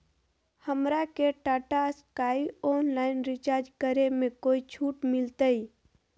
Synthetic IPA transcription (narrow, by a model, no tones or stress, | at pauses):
həmɾakeʈaːʈaskaːiɔːnlaːɪnɾɪt͡ʃaːɾd͡ʒkəɾemẽkoːit͡ʃʰuːʈmɪlt̪ai